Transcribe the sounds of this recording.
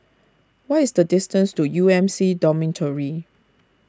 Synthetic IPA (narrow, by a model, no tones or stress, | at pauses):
waɪsdədɪstə̃nstujuɛ̃msidɔmĩntʰəɹi